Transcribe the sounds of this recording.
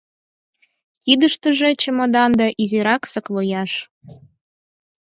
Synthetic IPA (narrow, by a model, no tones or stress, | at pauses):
kid̪əʃt̪əʒet͡ɕəmə̆d̪ɑnd̪ɑʔizeɾɑksəklojɑʃ